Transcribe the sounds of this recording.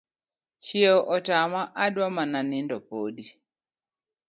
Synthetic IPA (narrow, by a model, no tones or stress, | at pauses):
t͡ʃiɔʔɔtamaʔadwamananɪndɔpodi